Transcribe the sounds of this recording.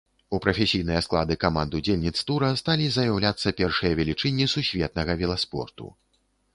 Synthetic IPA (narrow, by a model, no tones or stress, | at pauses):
upɾɐfʲɛsʲijnɨjɐsklˠad̪ɨkamand̪ud͡zʲelʲnʲit̪st̪uɾɐst̪alʲizɐjɐwlʲat̪sːɐpʲɛrʂɨjɐvʲɛlʲit͡ʂɨnʲːisusʲvʲɛt̪̚nɐɣɐvʲɛlˠaspɔ̰rt̪ṵ